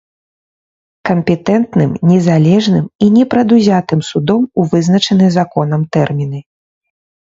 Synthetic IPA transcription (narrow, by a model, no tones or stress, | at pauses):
kɐmpʲɛt̪ɛnt̪nɨmnʲɛzalʲɛʐnɨminʲɛpɾɐd̪uzʲat̪ɨmsud̪ɔmuvɨznɐt͡ʂɐnɨzakɔnɐmt̪ɛrmʲinɨ